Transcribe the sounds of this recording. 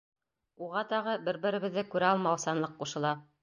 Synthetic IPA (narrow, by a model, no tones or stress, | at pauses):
uʁɑt̪ɑʁɤbɘɾbɘ̆ɾɘ̆βɘ̆ðːɘkʉɾæɑlˠmɑwsɑnlˠɤq̚ːuʃɤ̆lˠɑ